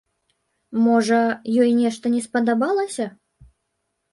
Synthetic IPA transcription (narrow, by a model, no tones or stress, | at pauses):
mɔʐɐjɔjnʲɛʂt̪ɐnʲɛspɐd̪abalˠɐsʲɐ